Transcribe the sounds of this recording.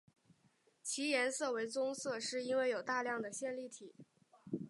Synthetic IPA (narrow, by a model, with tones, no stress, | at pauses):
t͡ɕʰi˧˥jɛ˧˥nsɤ˥˩we˧˥ɪt͡sʊ˥ŋsɤ˥˧ʂɻ̩˥˩i˥nwe˥˩ɪjo˨˩ʊt̪a˥˧ljɑ˥˩ŋd̪ə˩ɕjɛ˥˧nli˥˩t̪ʰi˨˩˦